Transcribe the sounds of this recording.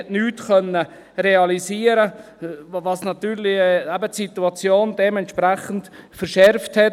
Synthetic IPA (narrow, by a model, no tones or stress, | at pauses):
ɛtnyːtkœnə | reɑlisiːəɾə | vɑsnɑt̪yːɾlɪæbətsit̪uɑt͡sjoːndɛmɛntʃpɾɛχən̩tfəɾʃɛɾfthɛt